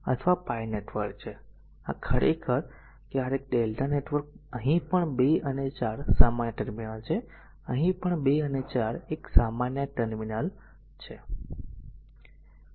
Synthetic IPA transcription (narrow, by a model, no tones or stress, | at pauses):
ə̰t̪ʰəʋapajneʈʋəɾkt͡ʃʰe | a̰kʰəɾʔekʰəɾ | kjaɾek̚ɖelʈaneʈʋəɾk̚əɦĩpəɳbeənet͡ʃaɾsamanjəʈəɾminalt͡ʃʰe | əɦĩpəɳbeənet͡ʃaɾeksamanjəʈəɾminal | t͡ʃʰe